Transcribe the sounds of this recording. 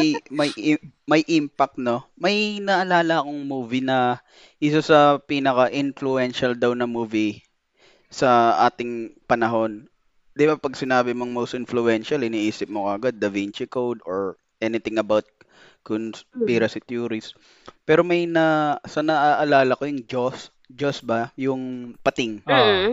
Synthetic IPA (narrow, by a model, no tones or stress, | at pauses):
jmɐjmɐjʔimpɐk̚t̪no̞mɐjnɐʔɐlaːlɐːko̞ŋmuːvinɐ | ʔɪs̬osɐpiːnɐkɐʔɪnflʊɛnʃɐld̪ɐwnɐmuːvɪ | sɐʔaːt̪ɪŋpɐnɐɦo̞n | d̪ɪbapɐɡsɪnaːbɪmoŋmowst̪ɪnflʊɛnʃɐlɪniːʔiːsɪp̚mokɐɐɡad̪̚ːɐvint͡ʃɪkowd̪oɹ | ʔɛnɪt̪ɪŋɐbawt̪̚ | kʊnspiːɾɐsɪt̪juːɾɪs | pɛːɾo̞mɐjnɐsɐnɐʔaʔɐlaːlɐko̞jʊŋd͡ʒos | d͡ʒosbɐjʊŋpɐt̪ɪŋ